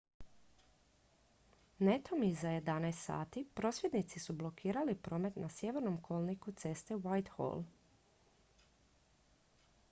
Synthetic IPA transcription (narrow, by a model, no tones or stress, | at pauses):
net̪ʰomizaje̞d̪anajst̪sa̰ːt̪ipɾo̞ːsʋje̞d̪nit̪sisublˠo̞kʰiːɾalipɾo̞ːme̞t̪nasje̞ʋe̞ɾnomkʰo̞lˠnikut̪se̞st̪eʋajt̪xo̰lˠ